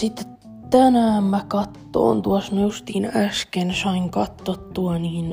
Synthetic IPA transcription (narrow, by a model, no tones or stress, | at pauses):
sit̪ːe | t̪ænæːmmækɑt̪ːo̰ːnt̪uɑsmæjust̪iːnæskensɑiŋkɑt̪ːot̪ːuɑniːn